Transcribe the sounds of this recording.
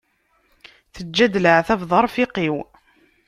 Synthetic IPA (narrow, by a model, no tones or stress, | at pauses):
θəd͡ʒːæd̪ləʕθævðˤɑɾˤfiqiw